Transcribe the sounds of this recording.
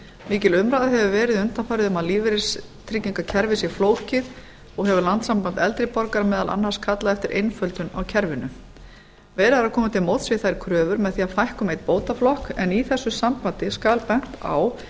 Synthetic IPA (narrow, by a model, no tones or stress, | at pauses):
miːcɪlʏmɾaðɦɛvʏvɛːɾɪðʏnt̪anfajɾɪðʏmaðliːvɪɾɪst̪ʰɾɪcːiŋkacʰɛɾvɪsifloːwcɪð | ɔɣhɛvʏlant̪sampant̪ɛlt̪ɾɪpɔɾkaɾmɛːðalʔa̰nːhaskʰat̪laðɛft̪ɪɾʔḛjnfœlt̪ʏnawcʰɛɾvɪnʏ | vɛːɾaɾakʰɔːmat̪ʰɪlmowt̪svɪθajɾ̥kʰɾœːvʏɾmɛðθiːafajhkʏmejt̪̚poːwt̪aflɔhkɛniθɛsːʏsampant̪ɪskaːlpɛŋ̥t̪a̰ːw